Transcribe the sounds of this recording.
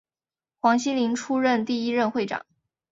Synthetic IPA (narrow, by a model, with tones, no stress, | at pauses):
xwɑ˧˥ŋɕi˥nli˧˥ŋʈ͡ʂʰu˥ɻə˥˧nt̪i˥˩i˥ɻə˥˧nxwe˥˩ɪʈ͡ʂɑ̰˨˩˦ŋ